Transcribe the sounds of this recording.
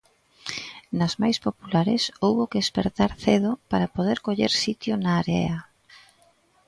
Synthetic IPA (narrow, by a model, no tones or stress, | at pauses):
nɐzmajspopulaɾɪsowβokeespeɾt̪aɾθeðʊpaɾapoðeɾkoʎeɾsit̪jʊnaːɾɛ̰a